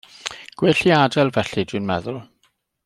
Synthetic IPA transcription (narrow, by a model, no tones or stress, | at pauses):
ɡ̥wɪɬiadɛlˠvɛɬidwɨnmɛðʊlˠ